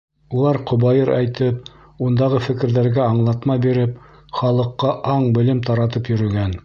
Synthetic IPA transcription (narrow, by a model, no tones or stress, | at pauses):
ulˠɑɾqŏβɑjɤɾʔæjt̪ɘp̚ | und̪ɑʁɤfɘ̆kɘ̆ɾðæɾɡæɑɴlˠɑt̪mɑbiɾɘp̚ | χɑlˠɤ̆qːɑʔɑɴbɘ̆lɘmt̪ɑɾɑt̪ɤpjɵ̆ɾɵ̆ɡæn